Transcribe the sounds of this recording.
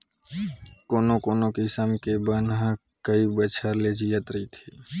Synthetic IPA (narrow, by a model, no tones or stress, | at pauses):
koːnokoːnokisəmkebənɦã | kəibət͡ʃʰəɾled͡ʒijət̪ɾit̪ʰiː